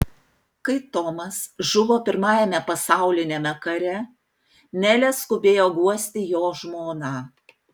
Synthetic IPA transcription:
kɐɪt̪ɔmɐsʒʊʋoːpʲɪɾmɑːjɛmʲɛpɐsɑˑʊlʲɪnʲeːmʲɛkɐɾʲɛ | mʲæːlʲɛskʊbʲeːjoːɡuɔsʲt̪ʲɪjoːʒmoːnɑː

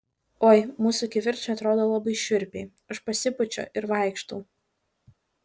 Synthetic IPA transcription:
oːjmuːsʊkʲɪʋʲɪɾʲt͡ʃʲʊɐt̪ɾoːd̪oːlˠɐbɐɪʃʲʊɾʲpʲɛɪ | ɐʃpɐsʲɪpʊt͡ʃʲɔ̰ʔɪɾʋɑˑɪkʃt̪ɐː

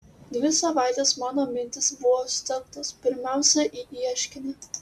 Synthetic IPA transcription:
d̪ʲʋʲɪsɐʋɑˑɪt̪ʲɛsmɑːnoːmʲɪnʲt̪ʲɪsbʊʋoːsʲt̪ʲɛlk̚t̪ospʲɪɾʲmʲæˑʊsʲɛʔiːʔiɛʃʲkʲɪnʲe

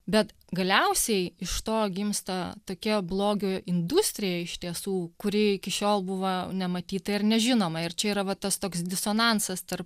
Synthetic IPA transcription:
bʲɛt̪ | ɡɐlʲɛʊsʲɛɪɪʃt̪oːɡʲɪmst̪ɐt̪oːkʲɛblˠoːɡʲoːɪnd̪ʊsʲt̪ʲɾʲɪjɛɪʃt̪ʲiɛsuːkʊɾʲɪɪkʲɪʃʲoːlˠbʊʋɐnʲɛmɐt̪ʲiːt̪ɐɪrnʲɛʒʲɪnoːmɐɪɾt͡ʃʲɛiːɾɐʋɐt̪ɐst̪oːksd̪ʲɪsoːnɑnsɐst̪ɐrp

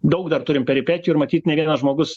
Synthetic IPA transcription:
d̪ɐʊkd̪ɐrt̪ʊɾʲɪmpʲɛɾʲɪpʲæːtʲɪjuːɪɾmɐt̪ʲiːt̪nʲɛʋʲiɛnɐʒmoːɡʊs

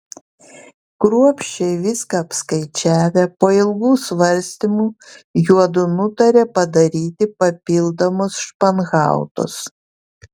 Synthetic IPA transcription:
kɾuɔpʲʃʲt͡ʃʲɛɪʋʲɪskɐːpskɐɪt͡ʃʲæːʋʲepoːɪlˠɡuːsʋɐɾʲsʲt̪ʲimuːjuɔd̪ʊnʊt̪ɐɾʲeːpɐd̪ɐɾʲiːt̪ʲɪpɐpʲɪlˠd̪ɐmɔsʃpɐnɣɑ̰ˑʊt̪ʊ̰s

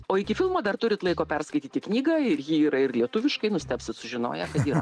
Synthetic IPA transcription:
oːɪkʲɪfʲɪlˠmoːd̪ɐrt̪ʊɾʲɪt̪lˠɐɪkoːpʲɛrskɐɪt̪ʲiːt̪ʲɪknʲiːɡɐɪɾjiːiːɾɐɪɾlʲiɛt̪ʊʋʲɪʃkɐɪnʊsʲt̪ʲæːpʲsʲɪt̪sʊʒʲɪno̰ːjɛkɐt̪iːɾɐ̰

